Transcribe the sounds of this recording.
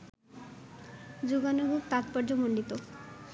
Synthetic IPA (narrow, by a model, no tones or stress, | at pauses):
d͡ʑuɡanoɡʱuk̚t̪at̪paɾd͡ʑomoɳɖit̪o